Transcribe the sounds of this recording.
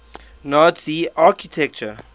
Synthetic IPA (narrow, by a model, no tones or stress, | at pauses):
nɔtsiakitʰɛk̚t͡ʃə